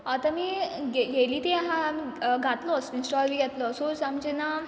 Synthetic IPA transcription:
at̪amiːɡeɡeliːt̪eaɦãamiɡʱat̪lɔsinsʈɔlmiːɡʱɛt̪lɔsosamd͡ʑena

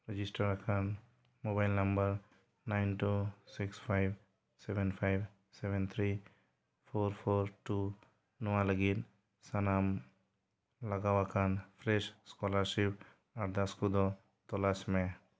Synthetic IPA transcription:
ɾed͡ʒisʈəɾakʰan | mobajlnəmbəɾ | najnʈusikspʰajb | sebenpʰajb | sebent̪ʰɾi | pʰoɾpʰoɾʈu | nɔwaləɡit̪̚ | sanam | laɡawakʰanpʰɾeʃskɔlaɾsip̚ | aɾd̪askud̪ɔ | t̪ɔlasme

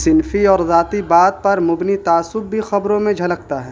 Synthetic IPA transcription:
sɪnfiɔːɾzaːt̪ibaːt̪̚pɐɾmʊbnit̪aːsʊb̚bʱixɐbɾõmẽd͡ʒʱɐləkt̪aɦɛː

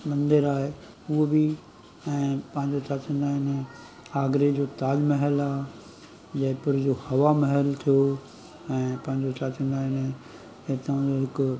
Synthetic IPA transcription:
mɐ̃nd̪əɾaːɦe | ʊɦobɪ | ɛ̃ːpɐ̃ɦɪ̃ɲd͡ʑot͡ɕaːt̪ʰĩːnd̪aːɦɪnɪ | aːɡɾed͡ʑoːt̪aːlmɐɦəlaːɦ | d͡ʑɐɦɪ̃pʊɾd͡ʑohɐʋamɐɦəlt̪ʰijo | ɛ̃ːpɐ̃ɦɪ̃ɲd͡ʑot͡ɕaːt͡ɕĩːnd̪aːɦɪn | et̪d͡ʑoɦɪk

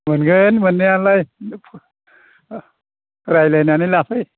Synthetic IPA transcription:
mɯnɡənmɯnːianlajpʰ | ɾajlajnanilapʰɯj

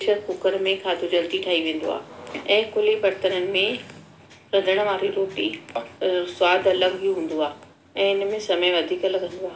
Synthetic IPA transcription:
ʃəɾkʊkəɾmẽkʰaːd̪ʱod͡ʑɐlt̪iʈʰaːɦiʋẽːn̆d̪o̰a̰ːɛ̃ːkʊlibɐɾt̪ənənɪ̆mẽ | ɾɐd̪ʱəɽ̃̆ʋãːɾiɾoːʈi | swaːd̪ʱɐləɡɦijuɦũːn̆d̪oaː | ɛ̃ːɪnmẽsɐməjʋɐd̪ʱiːkɐlɐɡʱə̃n̆d̪oaː

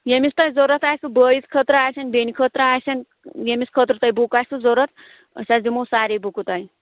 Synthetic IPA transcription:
jemist̪ajd͡zoɾət̪ajsubəjit͡skʰət̪ɾaajsanbenikʰət̪ɾaajsan | jemiskʰət̪ɾut̪ajbukajsud͡zoɾət̪ | ə̰sʲasd̪imosaɾebukut̪aj

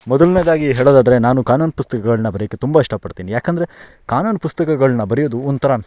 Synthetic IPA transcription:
mɔd̪ɐlned̪aːɡiɦeːɭod̪aːd̪ɐɾe̞naːnukaːnuːnpust̪ɐkɐɡɐɭɐnɐbɐɾijɐkːet̪umbaiʂʈɐpɐɽt̪iːnijaːkɐnd̪ɐɾe̞ | kaːnuːnpust̪ɐkɐɡɐɭɐnːɐbɐɾijoːd̪uɔnt̪ɐɾaːn

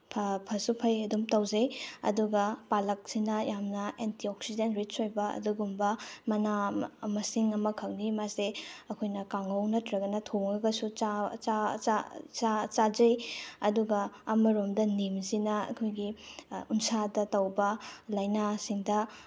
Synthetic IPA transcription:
pʰpʰɐsupʰɐjɐdumtɐwzɐjɐ̰duɡɐpalɐk̚sinɐjamnɐentiok̚sidenɾit͡ʃojbɐɐ̰duɡumbɐmɐnamɐsiŋɐmɐkʰɐŋnimaseɐkʰojnɐkaŋownɐtɾɐɡɐnɐtʰoŋɐɡɐsut͡ʃat͡ʃaat͡ʃat͡ʃazɐjɐ̰duɡɐːmɐɾumdɐnimsinɐɐ̰kʰojɡiunsadɐtɐwbɐlajnasiŋdɐ

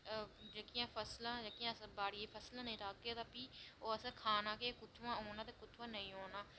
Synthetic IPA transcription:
d͡ʒekijãːpʰəslãːd͡ʒeːkijãːsbaːɽieːpʰəslãːnə̃ĩːt̪aːkːeːt̪aːpiːoːəsãkʰaːnãːkeːkʊt̪ʰːãːoːnãːt̪eːkʊt̪ʰːʋãːnəĩːoːnaː

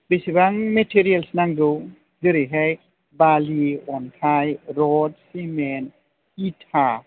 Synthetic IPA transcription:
besibaŋmetʰiɾijalsnaŋdɯw | zɯɾɯɦaj | baliɔnkʰajɾɔdsimen | itʰa

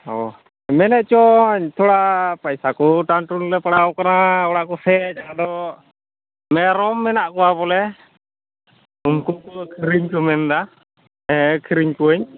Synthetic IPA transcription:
ɔ | mɛnɛʔt͡ʃɔɲt̪ʰɔɽapajsakɔʈaɳʈunlɛpaɽawkanaɔɽaʔkɔsɛt͡ʃaad̪ɔ | mɛɾɔmːɛnaʔkɔwapɔlɛ | umkuukʰiɾiɲkumɛnd̪a | ɛkʰiɾiɲkuəɲ

